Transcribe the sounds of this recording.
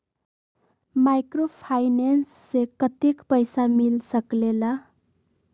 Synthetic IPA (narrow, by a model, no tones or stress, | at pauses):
majkropʰajnensːekʌt̪ekpʌjsamilsʌklela